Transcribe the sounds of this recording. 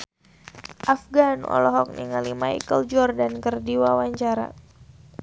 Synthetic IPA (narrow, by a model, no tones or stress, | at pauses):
ʔafɡanɔ̰lɔɦɔk̚nḭŋalimajkəld͡ʒɔrdankərdiwawaɲt͡ʃaɾa̰